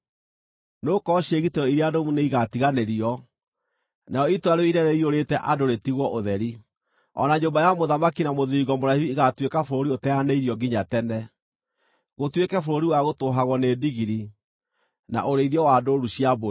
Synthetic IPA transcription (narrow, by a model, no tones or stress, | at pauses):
nokɔɕieɣiteɔiɾiadomuneiɣatiɣaneɾiɔ | najɔitwaɾeiɾɛneioɾetɛʔadoɾetiɣwɔʔoðɛɾi | ɔ̰naɲombajamoðamakinamoðiiːɣɔmoɾahuiɣatwekafoɾoɾiotɛaneiɾiɔɡiɲatɛnɛ | ɣotwekɛfoɾoɾiwaɣotoɦaɣɔneːdiɣiɾi | na̰ʔoɾeiðjɔwadoɾuɕiabo